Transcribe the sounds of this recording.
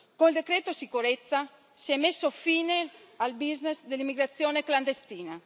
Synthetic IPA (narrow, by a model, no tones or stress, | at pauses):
koneld̪ekɾet̪osikuɾet̪sːa | sɛmesːofiːnealbiznezd̪elimːiɡɾat̪sjonekland̪est̪iːna